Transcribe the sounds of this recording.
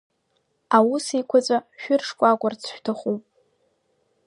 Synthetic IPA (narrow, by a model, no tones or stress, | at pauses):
awusikʷʰat͡sʷʼaʃᶣʊrʂkʷʼakʷʼart͡sʰʃᶣtʰaχupʼ